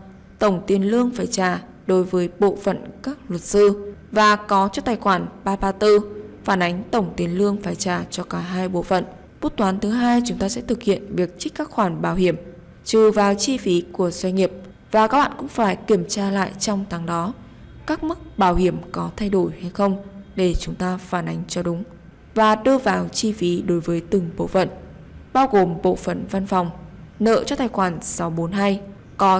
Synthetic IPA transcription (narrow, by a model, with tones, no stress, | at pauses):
t̪ə˧˩wŋ͡mt̪i˨˩ənlɨ˧əŋfaː˧˩jt͡ɕaː˧˩ | ɗo˨˦jvəː˨˦jɓo̰˧˨fə̰˧˨nkaː˦˥k̚lwə˨˩t̚sɨ˧vaː˨˩kɔ˨˦t͡ɕɔ˧t̪aː˨˩jxwaː˧˩nɓaː˧ɓaː˧t̪ɨ˧faː˧˩nʔa˨˦jŋ̟t̪ə˧˩wŋ͡mt̪i˨˦ənlɨ˧əŋfaː˧˩jt͡ɕaː˧˩t͡ɕɔ˧kaː˧˩ɦaː˧jɓo̰˧˥fə̰˧˨n | ɓu˦˥t̚t̪waː˨˦nt̪ʰɨ˨˦ɦaː˧jt͡ɕʊ˨˦ŋ͡mt̪aː˧sɛ̰˧˥t̪ʰɨ˨˩k̚hḭ˧˨ənvi˨˩ək̚t͡ɕi̟˦˥kaː˦˥k̚xwaː˧˩nɓaː˧˩whi˧˩əm | t͡ɕɨ˨˩vaː˨˩wt͡ɕi˧fi˨˦ku˧˩əz̥wa˧jŋ̟ŋi˨˩əp̚ | vaː˨˩kaː˦˥k̚ɓa̰ː˧˨kʊ̰˧˥ŋ͡mfaː˧˩jki˧˩əmt͡ɕaː˧la̰ː˧˨jt͡ɕɔ˧wŋ͡mt̪ʰaː˨˦ŋɗɔ˨˦ | kaː˦˥k̚mɨ˦˥k̚ɓaː˧˩whi˧˩əmkɔ˨˦t̪ʰa˧jɗo˧˩jha˧jxə˧wŋ͡mɗe˧˩t͡ɕʊ˨˦ŋ͡mt̪aː˧faː˧˩nʔa˨˦jŋ̟t͡ɕɔ˧ɗʊ˨˦ŋ͡m | vaː˨˩ɗɨ˧əvaː˨˩wt͡ɕi˧fi˨˦ɗo˨˦jvəː˨˦jt̪ɨ˨˩ŋɓo̰˧˨fə̰˧˨n | ɓaː˧wɣo˨˩mɓo̰˧˨fə̰˧˨nva˧nfɔ˨˩wŋ͡mnə̰ː˧˨t͡ɕɔ˧t̪ʰaː˨˩jxwaː˧˩nsa˨˦wɓo˨˦nɦa˧j | kɔ˨˦